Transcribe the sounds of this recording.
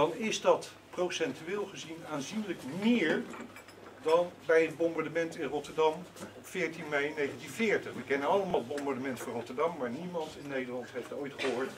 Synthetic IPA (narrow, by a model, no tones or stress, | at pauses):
ɑnɪzdɑt | prowsɛntyɪːlˠχəzinaːnzinləkmɪːɹ | dɑnbɛjəd̚bɔmbɑɹdəmɛntɪnrɔtəɹdɑmɔpfɪːɹtinmɛjnejχəntinvɪːɹtəχʋəkɛnənɑlˠəmaːlˠbɔmbaɹdəmɛntfʊːrɔtəɹdɑmːaːɹnimɑntɪnːejdəɹlɑntɦejftojtχəɦoːɹt